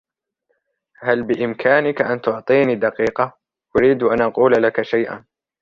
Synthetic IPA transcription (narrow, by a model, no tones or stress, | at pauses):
halbɪʔɪmkʰaːnɪkaʔant̪ʊʕt̪ˤiːnid̪ɑqiːqɑ | ʔʊɾiːd̪ʔanʔɑquːllakaʃajʔa̰n